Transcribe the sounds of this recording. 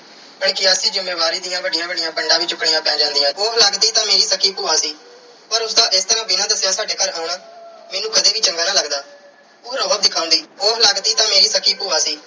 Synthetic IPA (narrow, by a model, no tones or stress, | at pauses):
bəɳkɪəsĩːd͡ʒɪmːeːʋaːɾiːd̪ɪjãːbəɖɪjãːbəɖɪjãːpəɳɖãːʋiːt͡ʃʊkɳɪjãːpɛ̃ːd͡ʒãːnd̪ɪjãːoːləɡd̪iːt̪ãːmeːɾiːsəkiːpuːãːsiː | pəɾʊsd̪aːʔɪst̪əɾãːbɪnãːd̪əsjãːsaːɖeːkəɾɦaʊɳaːmɛːnũːkəd̪eːʋiːt͡ʃəŋɡaːnaːləɡd̪aː | oːɾəːbəb̚d̪ɪkʰːaːʊ̃nd̪iːoːləɡd̪iːt̪ãːmeːɾiːsəkʰiːpuːaːsiː